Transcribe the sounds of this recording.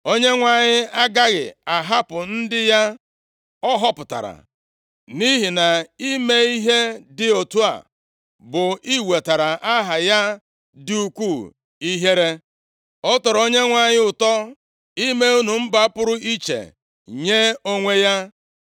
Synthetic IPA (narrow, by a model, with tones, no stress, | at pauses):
o˦ɲe˦ŋʷa˦˨ɲɪ˦a˦ɡa˦ɣɪ̰˨a˨ɦa˦pʊ˨n̩˦dɪ˦ja˦ | ɔ˦ɦɔ˦pʊ˨ta̰˨ɾa̰˨ | ni˦ɦi˨na˨i˦me˦i˦ɦe˦dɪ˨o˨tu˦a̰˨ | bʊ˨i˦we˨ta˨ɾa˨ʔa˦ɦa˨ja˦ | dɪ˨u˨kʷu˦˨ | i˦ɦe˦ɾe˦ | ɔ˦tɔ˨ɾo˦ɲe˦ŋʷa˨ɲɪ˦ʊ˨tɔ˦ | i˦me˦u˦nu˨m̩˦ba˨˦pʊ˦ɾʊ˦i˦t͡ʃḛ˨ | ɲe˦o˦ŋʷe˦ja˦